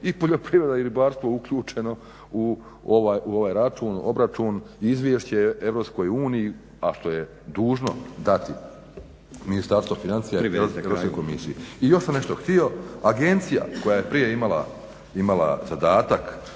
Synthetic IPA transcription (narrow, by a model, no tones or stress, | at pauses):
ipo̞ʎo̞pɾiʋɾe̞d̪aiɾibaːɾst̪ʋo̞uklʎuːt͡ʃe̞no̞ | u | oʋaːjuo̞ʋaːjɾat͡ʃuno̞̰bɾat͡ʃunizʋjeːʃt͡ɕee̞ʋɾo̞psko̞juːniji | aʃt̪o̞je | d̪uːʒno̞̰d̪at̪i | minist̪aɾst̪ofinansijaɾeeɾoskojkomḭsḭeijo̞ʃsamne̞ʃt̪oxt̪io̞aɡe̞nt̪sija̰ko̞jajepɾije̞imalˠa̰ | imala̰zad̪aːt̪ak